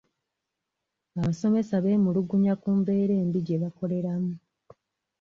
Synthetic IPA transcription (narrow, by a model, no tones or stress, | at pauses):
aβaso̞me̞saβe̞ːmuluɡuɲakuːmbe̞ːɾe̞ːmbiɟe̞βako̞le̞ɾamu